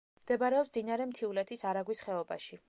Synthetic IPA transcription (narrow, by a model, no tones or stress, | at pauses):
md̪̥ɛbaɾɛɔpsd̪inaɾɛmt̪ʰiulɛt̪ʰisaɾaɡwisχɛɔba̰ʃi